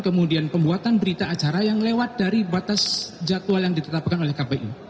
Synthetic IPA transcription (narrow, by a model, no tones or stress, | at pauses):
kəmudianpəmbuat̪anbəɾit̪aːt͡ʃaɾajaŋlewat̪̚daɾibat̪asd͡ʒat̪ualjaŋdit̪ət̪ap̚kanolɛhkabeʔi